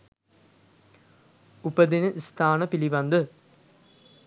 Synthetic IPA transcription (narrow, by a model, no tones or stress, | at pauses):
upɐd̪inɨʔist̪aːɳɐpiliʋɐnd̪ɨ